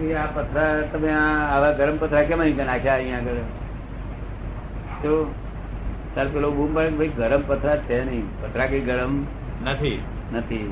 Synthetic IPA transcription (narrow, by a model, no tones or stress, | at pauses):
kiapət̪ʰɾat̪əmẽːʋaɡəɾəmpət̪ɾakẽmaɦĩkənakʰjaɦĩaɡəɾ | t̪o | saɾpelobumbaɭkbʱəiɡəɾəmpət̪ʰɾat̪enəĩpət̪ʰɾakəiɡəɾəm | nət̪ʰi | nət̪ʰi